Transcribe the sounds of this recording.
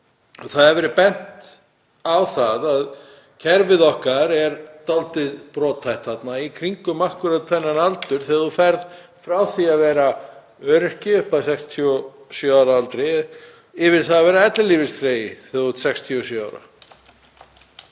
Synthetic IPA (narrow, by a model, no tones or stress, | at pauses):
ɔθaðɛɾvɛɾɪpɛn̥t̪ | awθaðað | cʰɛɾvɪðɔhkaɾɛɾt̪alt̪ɪðpɾɔːt̪ʰːajht̪at̪naikʰɾiŋkʏmahkʏɾaðt̪θɛnːanalt̪ʏɾ̥θɛːaθufɛɾð | fɾaːwθiaðvɛːɾa | œːɾɪr̥cɪʏhpaðsɛkst̪ʰiɔ | sjœaːwɾaalt̪ɾe | ɪvɪɾ̥θaðavɛːɾaɛt̪lɪlivɪsfɾeːjɪθɪut̪sɛkst̪ʰiɔsjœa̰ːwɾa̰